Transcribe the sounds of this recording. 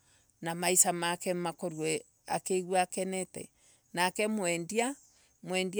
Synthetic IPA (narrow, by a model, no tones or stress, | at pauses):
namaisamakɛmakoɾwɛ | a̰keiɣwɛakɛnɛtɛ̰ | nakɛmwɛndia | mwɛnd